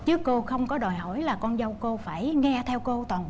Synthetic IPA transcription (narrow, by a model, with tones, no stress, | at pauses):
t͡ɕɨ˦˥əkːo˧xə˧wŋ͡mkɔ˨˦ɗɔ˨˩jɦo̰˧˩˨jlaː˨˩kɔ˧nzə˧wko˧faː˧˩jŋɛ˧t̪ʰɛ˧wko˧t̪waː˨˩nɓ